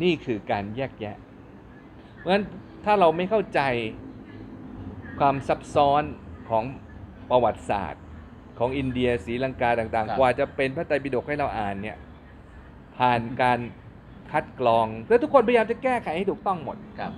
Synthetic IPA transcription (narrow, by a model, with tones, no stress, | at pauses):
niː˥˩kʰɯː˧kaː˧njɛː˥˩k̚jɛ˦˥ʔ | mɯ˦ə˦n | t̪ʰaː˥˩ɾa˧wma˥˩jkʰa˥˩wt͡ɕa˧j | kʰwaː˧msa˦˥p̚sɔː˦˥nkʰɔː˩˦ŋ | pɾa˧wa˨˩t̪̚sa̰ː˨˩t̪̚ | kʰɔː˩˦ŋʔi˧ndi˧ɐsiː˩˦la˧ŋkaː˧t̪aː˨˩ŋt̪aː˨˩ŋkwaː˧t͡ɕa˨˩pe˧npʰaː˥˩t̪a˧pi˧do˨˩k̚ha˥˩jɾa˧wʔaː˨˩nːi˥˩ɐ | pʰaː˨˩nkaː˧n | kʰa˦˥t̪̚klɔː˧ŋpʰɯ˥˩t̪ʰu˦˥kʰːo˧npʰa˧jjaː˧mt͡ɕa˨˩kɛː˥˩kʰa˨˦jha˥˩jt̪ʰu˨˩k̚t̪ɔ˥˩ŋmo˨˩t̪̚